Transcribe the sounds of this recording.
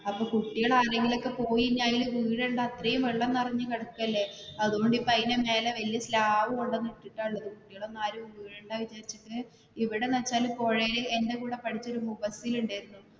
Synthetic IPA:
ɐpːoːkuʈːiɣɐɭaːɾe̞ŋɡilo̞kːe̞po̞ːjiɲːaːjilʋiːɻeɳɖaɐt̪rɐjumʋeɭːɐnːɐrɐɲːɨkɐɽɐkːuɐlːe̞ɐðuɣo̞ɳɖipːɐjneme̞ːleʋɐlijɐslaːʋuko̞ɳɖenːiʈːiʈːaːuɭːɐðɨkuʈːiɣɐɭonːaːɾumʋiːɻeɳɖaːʋit͡ɕaːɾit͡ɕːiʈːɨ | iʋiɽe̞nɐt͡ɕːaːlpo̞ːɻejilende̞kuːɽe̞pɐʈʰit͡ɕːo̞ɾumubɐsiluɳɖaːjiɾunːu

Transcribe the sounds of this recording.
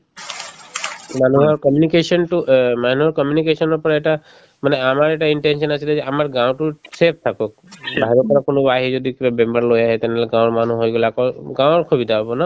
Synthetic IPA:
manuɦɔɾkɔmjunikesɔnʈumanuɦɔɾkɔmjunikesɔnɔɾpɔɾaeʈa | manɛamaɾeʈaiɳʈensɔnasʰilaeamaɾɡãw̃ʈuʈɾep̚t̪ʰakɔk̚ | bʱajɾɔpɔɾakonobaɦid͡ʒɔd̪ikibabembaɾlojaɦɛt̪ɛnelaɡãwɾmanuɦojɡolakɔɡãw̃ɔɾkʰɔbid̪aɦɔbɔna

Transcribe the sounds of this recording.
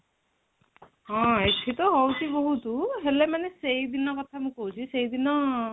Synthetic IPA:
ɦɔ̃et̪ʰit̪ɔɦowt͡ʃʰiboɦut̪uɦelemanesejd̪inɔkɔt̪ʰamũkoɦut͡ʃʰisejd̪inɔ

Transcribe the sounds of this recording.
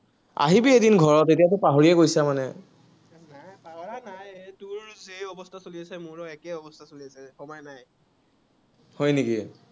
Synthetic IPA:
a̰ɦibiedinɡʱɔɹɔtetijat̬ɛpaɦoɹiɛkojsamanɛ | najpaanajtʊɹzeɔbɔstʰasoliasɛmʊɹɔɛkɛɔbɔstʰasoliasɛxɔmɔjnaj | hɔjniki

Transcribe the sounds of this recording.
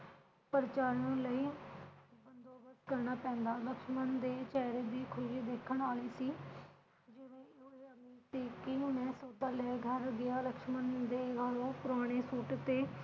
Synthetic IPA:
pəɾt͡ʃaːɾõːləiː | bənd̪oːbəsd̪kəɾnaːpɛ̃ːnd̪aːləkʃmənd̪eːt͡ʃɛːɾeːd̪iːkʰʊʃid̪eːkʰəɳaːliːsiː | d͡ʒɪʋẽːoeːəmiːɾt̪iːkɪmɛ̃ːsoːd̪aːlɛːɡʱəɾɡɪaːləkʃmənd̪eːɡʱəɽõːpʊɾaːɽ̃eːsuːʈt̪eː

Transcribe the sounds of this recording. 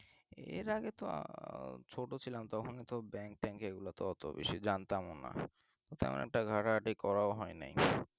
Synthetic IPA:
ḛɾaɡet̪o̰ | t͡ɕʰoʈot͡ɕʰilamt̪ɔkʰonet̪obɛŋk̚ʈɛŋkeɡulat̪oɔt̪o̰bḛʃid͡ʑant̪amona̰ | t̪ot̪ɛ̰mo̰nʔɛk̚ʈaɡʱaʈaʈikɔɾaoɦɔenḛj

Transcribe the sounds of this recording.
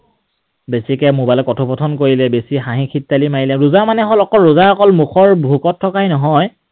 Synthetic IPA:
besikɛmubalɔkɔtʰupɔtʰɔnkoɹilɛbesiɦaɦĩkʰitːalimajilɛɹuzamanɛɦɔlɔkɔlɹuzaɹɔkɔlmuxɔɹbʱukɔtʰːɔkainɔɦɔj

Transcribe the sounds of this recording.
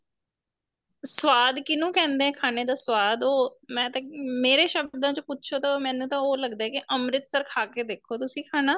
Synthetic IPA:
swaːd̪kɪnũːkɛ̃ːnd̪eːɛ̃ːkʰaːñeːd̪aːswaːd̪oːmɛ̃ːt̪ãːmeːɾeːʃəbd̪ãːt͡ʃõpʊtːʃʰoːt̪aːmɛ̃ːnũːt̪ãːoːləɡd̪aɛːkɪʔəmɾɪt̪səɾkʰaːkeːd̪eːkʰːoːt̪ʊsĩːkʰaːnaː

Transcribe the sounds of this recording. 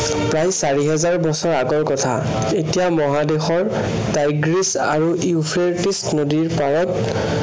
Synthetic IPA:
pɹajsaɹiɦɛzaɹbɔsɔɹaɡɔɹkɔtʰa̰ | etijamɔɦadexɔɹ | tajɡɹis | a̰ɹuʔiupʰeɹtisnodiɹpaɹɔt

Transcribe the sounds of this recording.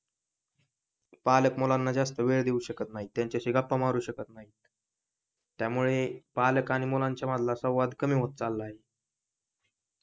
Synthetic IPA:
paləkmolanːad͡ʑast̪əʋeɭd̪euɕəkət̪naɦit̪jaɲt͡ɕaɕiɡapːəmaɾuːɕəkət̪naɦiːt̪ | t̪ːjamuɭepaləkaɽ̃imolaɲt͡ɕjaməd̪lasəwʋad̪kəmiːɦot̪̚t͡salːaːɦe

